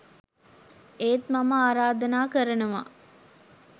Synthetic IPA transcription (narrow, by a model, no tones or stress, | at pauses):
eːt̪maməaːɾaːd̪ɐnaːkəɾənuʋa̰